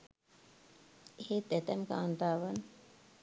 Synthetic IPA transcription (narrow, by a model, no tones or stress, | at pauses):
ehet̪æt̪æmka̰ːnt̪aːʋan